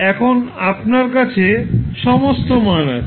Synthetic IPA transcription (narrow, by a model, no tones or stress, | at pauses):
ɛkʰonapnaɾkat͡ɕʰeʃɔmost̪omɔenaɾ